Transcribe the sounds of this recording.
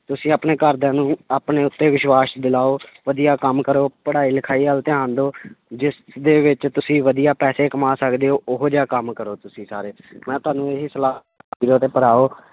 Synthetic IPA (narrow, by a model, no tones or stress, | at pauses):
t̪ʊsĩːaːpneːkəɾd̪ãːnũːaːpneːʊt̪ːeːʋɪʃwaːʃd̪ɪlaːoːʋəd̪ijaːkəmkəɾoːpəɽaːiːlɪkʰaːiːɦəlt̪eãːnd̪oːd͡ʒɪsd̪eːʋɪt͡ʃt̪ʊsĩːʋəd̪ijaːpɛːseːkəmaːsəkd̪eːɦoːʔʊɦoːd͡ʒaːkəmkəɾoːt̪ʊsĩːsaːɾeːmɛ̃ːt̪ʊaːnũːeːɦiːsəlaː | iɾoːt̪eːpəɾaːoː